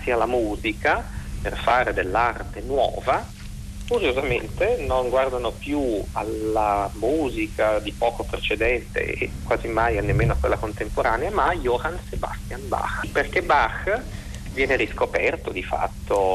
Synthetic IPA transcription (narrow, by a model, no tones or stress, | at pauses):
sialamuːzikaperfaːɾed̪elːart̪enwɔ̰ːva | kuɾjozamḛnt̪enoŋɡward̪anopjualːamuːzikad̪ipɔːkopɾet͡ʃed̪ɛnt̪ḛḛkwaːzimajanːemːeːnoakːwḛlːakont̪empoɾaːneamajoɾanseba̰st̪janba̰xperk̟ebax | vjɛːneɾiskopɛrt̪od̪ifa̰t̪ʰːo